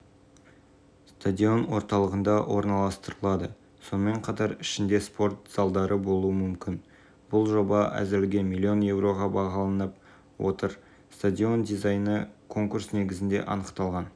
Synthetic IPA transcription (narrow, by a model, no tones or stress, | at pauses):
st̪adʲio̞nwo̞ɾt̪ɑlˠəʁənd̪ɑwʔo̞ɾnɑlˠɑst̪əɾəlˠɑd̪ə | so̞nəme̞ɴqʰɑt̪ɑɾɪʃɪnd̪e̞spo̞ɾt̪z̥ɑlˠd̪ɑɾəbo̞lˠuəmʏmkʲɪn | b̥ʊlˠʒo̞bɑʔæ̰zɪɾɪlɡʲe̞mʲilʲːio̞nje̞wɾo̞ʁɑbɑʁɑlˠɑnəp̚ | wo̞̰t̪əɾ | st̪ad̪ʲio̞nd̪izɑjnəkʰo̞ŋkuɾsne̞ɡʲɪzɪnd̪e̞̰ʔɑnəqt̪ɑlˠʁɑn